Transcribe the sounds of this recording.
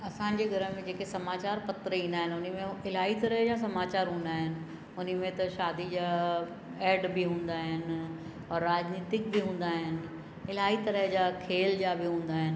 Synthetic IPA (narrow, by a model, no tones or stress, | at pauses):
ɐsãːɲd͡ʑeːɡʱɐɾəɦmẽd͡ʑeːkesɐmaːt͡ɕaːɾpɐt̪ɾəĩːnd̪aːɦɪnʊnmẽɪl̤aːɦit̪ɐɾəɦd͡ʑasɐmaːt͡ɕaːɾɦũːnd̪aːɦɪnɪ̆ | ʊn̤ə̆mẽt̪ɐʃaːd̪id͡ʑa | ɛːɖbiɦũːn̆d̪aːɦɪn | ɔːɾːaːd͡ʑniːt̪ɪk̚bɪɦũːn̆d̪aːɦɪnɪ̆ | ɪl̤aːit̪ɐɾəɦd͡ʑaːkʰeːld͡ʑaːbɪɦũːn̆d̪aːɦɪnɪ̆